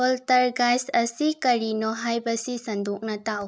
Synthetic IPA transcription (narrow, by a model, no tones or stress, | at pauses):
ɔltɐɾɡajsɐsikɐɾinɔɦajbɐsisɐnduk̚nɐtaw